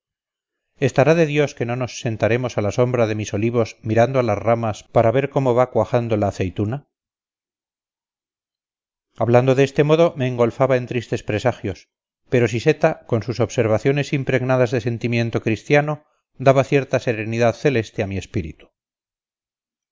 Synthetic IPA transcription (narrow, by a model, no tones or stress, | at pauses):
e̞st̪aɾaðe̞ðjo̞ske̞no̞no̞sːe̞nt̪aɾe̞mo̞salaso̞mbɾaðe̞miso̞liβ̞o̞smiɾand̪oalazramaspaɾaβe̞ɾko̞mo̞β̞akwaxand̪olaːθe̞jt̪una | aβland̪o̞ðeest̪e̞mo̞ðo̞me̞ːŋɡo̞lfaβae̞nt̪ɾist̪e̞spɾe̞saxjo̞s | pe̞ɾo̞s̬ise̞t̪akonsuso̞βse̞ɾβaθjo̞ne̞simpɾe̞ɣnaðazðe̞se̞nt̪imjẽ̞nt̪o̞kɾist̪jano̞ | d̪aβaθje̞ɾt̪ase̞ɾe̞niðaðθe̞le̞st̪eamie̞spiɾḭt̪u̥